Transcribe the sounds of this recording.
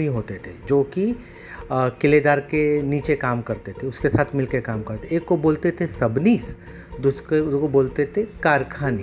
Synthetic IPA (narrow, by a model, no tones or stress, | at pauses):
iɦoːt̪et̪ʰed͡ʒoːki | kɪled̪aːɾkeniːt͡ʃekaːmkɐɾt̪et̪ʰeʊskesaːt̪ʰmɪlkekaːmkɐɾt̪ʰeeːkːoboːlt̪et̪ʰesɐbniːs | d̪ʊseskoboːlt̪et̪ʰekaːɾkʰaːni